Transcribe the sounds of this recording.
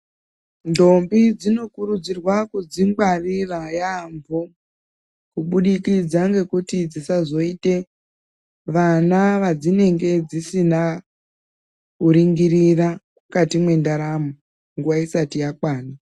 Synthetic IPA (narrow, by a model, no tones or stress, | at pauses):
ndo̞mbid͡zino̞kuɾud͡zirwakud͡zimbarirajambo | kuɓuɗikid͡zaŋɡe̞kutid͡zisazo̞ite̞ | ʋanaʋad͡zine̞ŋɡe̞d͡zisina | kuɾiŋɡirirakukatimwe̞ndaɾamo | ŋɡuʋaisatijakwaːna